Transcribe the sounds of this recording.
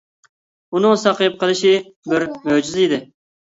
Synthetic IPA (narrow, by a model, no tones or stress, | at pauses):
unɨŋsɑqʰəjɨp̚qʰəlˠɨʃɪbɪɾmød͡ʒyzid̪ɪ